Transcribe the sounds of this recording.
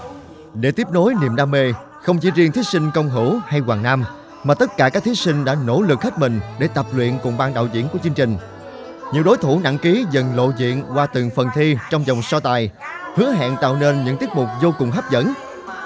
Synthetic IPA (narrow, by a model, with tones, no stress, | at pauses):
ɗe˧˩t̪i˦˥p̚no˨˦jnḭ˨˧˨əmɗaː˧me˧ | xə˧wŋ͡mt͡ɕi˧˩zi˧əŋt̪ʰi˨˦sï˧ŋ̟kə˧wŋ͡mɦɨ̰˧˩ha˧jkwaː˨˩ŋna˧m | maː˨˩t̪ə˦˥t̚kaː˧˩kaː˦˥k̚t̪ʰsi˧ŋ̟ɗa̰ː˧˥no̰˧˥lɨ˨˩k̚hə˦˥t̚mï˨˩ŋ̟ɗe˧˩t̪ə˨˩p̚lwḭ˧˨ənkʊ˨˩ŋ͡mɓaː˧ŋɗa̰ː˧˨wzḭ˧˨ənku˧˩ət͡ɕiɨ˧əŋt͡ɕï˨˩ŋ̟ | ɲḭ˧˨əwɗo˨˦jt̪ʰu˧˩na̰˧˥ŋki˨˦zə˨˩ŋlo̰˧˨zḭ˧˨ənkwaː˧t̪ɨ˨˩ŋfə˨˩nt̪ʰi˧t͡ɕɔ˧wŋ͡mzə˨˩wŋ͡msɔ˧t̪aː˨˩jhɨ˨˦əɦa̰ː˧˨nt̪a̰ː˧˨wne˧nɲɨ̰˧˥ŋt̪i˦˥ət̚mʊ˨˩k͡p̚zo˧kʊ˨˩ŋ͡mɦaː˦˥p̚zə̰˧˥n